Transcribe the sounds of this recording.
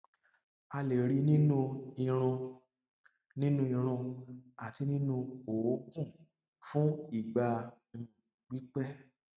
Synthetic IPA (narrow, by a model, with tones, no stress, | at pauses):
a˧le˨ɾi˨˧˦nĩ˦nũ˦i˧˨ɾ̃ũ˧ | nĩ˦nũ˦ĩ˧ɾ̃ũ˧a˨ti˧nĩ˦nũ˧o˨o˨˦kũ˦˨ | fũ˦i˦˨ɡ͡bã˧˨ | ɡ͡bi˨˦k͡pɛ˦